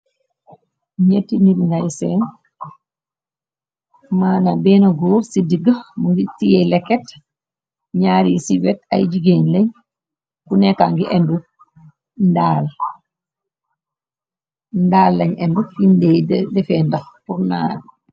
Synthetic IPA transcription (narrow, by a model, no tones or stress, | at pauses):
ɲetːinitŋɡajsɛn | maːnabɛnaɡoːɾsidiɡəmuŋɡitijɛlɛkːɛt | ɲaːɾisiwɛta̰jd͡ʒiɡenleɲ | kunɛkaŋɡiʔɛndu | ndaːl | ndaːlːɐɲɛndufindeddɛfɛːndaxpuɾna̰ːd